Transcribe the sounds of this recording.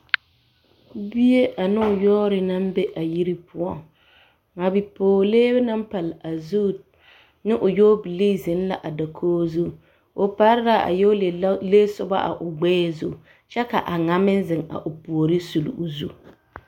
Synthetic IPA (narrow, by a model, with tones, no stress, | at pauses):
bi˦e˦ʔa˨nɪ˦ʊ˨jɔː˦ɾɪ˨na˦m˦be˦ʔa˨ji˦ɾi˦pʊ˦ɔ˦ŋ | ŋa˨bi˨poː˨leː˦bna˦m˦pa˨la˨zu˦ | nɪ˦ʔʊ˨joː˦bi˨li˦zɪ˨n˦la˨ʔa˨da˨kʰoː˦zu˦˨ | ʊ˨pa˦ɾɪ˦ɾa˦a̰˨jo˦e˨˦le˦sʊ˦ba̰˦ʔa̰˨ʔʊ˨ɡ͡bɛː˦zu˦˨ | t͡ʃɛ˦ka˨ʔa˨ŋa˨mɪ˦n˦zɪ˨ŋa̰˨ʔʊ˨pu˨o˨ɾi˦su˨lṵ˨ʊ˨zu˦